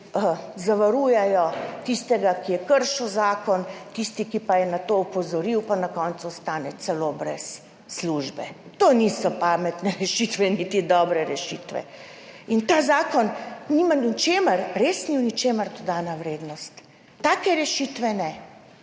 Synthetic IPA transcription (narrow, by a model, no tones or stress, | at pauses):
əzaʋaɾuːjɛjɔt̪ist̪ɛɡakijɛkəɾʃuwzaːkɔnt̪ist̪ikipajɛnat̪oupɔzɔɾiwpanakɔnt̪sust̪aːnɛt̪sɛloːbɾɛsː | luʒbɛ̰ | t̪oːnisɔpamɛt̪nɛɾɛʃit̪ʋɛnit̪id̪ɔːbɾɛɾɛʃit̪ʋɛ̰ | int̪aːzaːkɔnnimanit͡ʃeːməɾɾesniwnit͡ʃeːməɾd̪ɔd̪anaʋɾeːd̪nɔst̪ː | aːkɛɾɛʃit̪ʋɛnɛ